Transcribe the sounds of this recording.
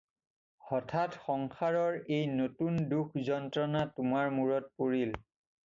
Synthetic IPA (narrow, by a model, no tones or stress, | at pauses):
ɔtʰatxɔŋxaɹɔɹejnotundukʰzɔntɹɔnatʊmaɹmuɹɔt̚poɹil